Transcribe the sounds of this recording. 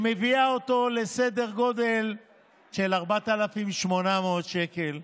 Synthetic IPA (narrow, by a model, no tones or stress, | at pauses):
meviaot̪o̞le̞sed̪e̞ʁɡo̞d̪e̞l | ʃe̞laʁbat̪alafimʃmo̞nameot̪ʃeke̞l